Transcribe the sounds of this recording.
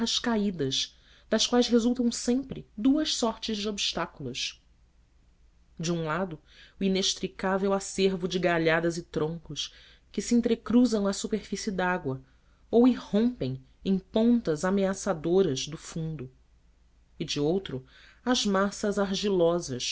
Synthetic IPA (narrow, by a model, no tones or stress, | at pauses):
ɐʃkaid̪ɐʃ | d̪̥ɐʃkwajzɦezuwt̪ɐ̃w̃sẽmpɾɪd̪uɐʃsɔɾt͡ʃɪʒd͡ʒɪobiʃt̪akuluʃ | d͡ʒɪũlad̪ʊ | uineʃp̪ɾikavewaseɾvʊd͡ʒɪɡaʎad̪ɐzɪt̪ɾõŋkʊʃ | kɪsiĩnt̪ɾekɾuzɐ̃w̃ɐsupeɾfisiid̪aɡwɐ | owihõmpẽj̃ | ẽj̃põnt̪ɐzameasad̪oɾɐzd̪ʊfũnd̪ʊ | ɪd͡ʒɪowt̪ɾʊ | ɐzmasɐzaɾʒilɔzɐʃ